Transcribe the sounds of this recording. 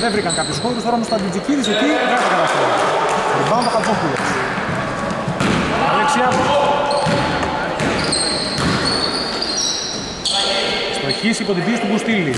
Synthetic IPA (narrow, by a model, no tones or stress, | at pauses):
ðevɾikɐŋkapçusxoɾust̪o̞ɾɐmst̪oɐnd̪id͡ziciðiset̪ieɣɐskɐɐsolibɐunt̪okɐd͡zoxulɐs | ɐleksiɐzu | st̪oçisipo̞t̪ibist̪uɡust̪ili